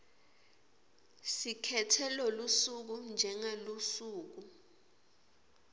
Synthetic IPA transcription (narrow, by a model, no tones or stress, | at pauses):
sikʰɛtʰɛlɔlusuk̬und͡ʒʱɛŋalusuːk̬u